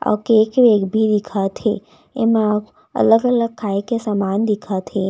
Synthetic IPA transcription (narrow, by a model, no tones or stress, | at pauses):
a̰keːkʋeːɡbʱid̪ɪkʰat̪ʰe | ḛmã | ə̰ləɡələɡ̚kʰːaːikesamaːnd̪ɪkʰat̪ʰe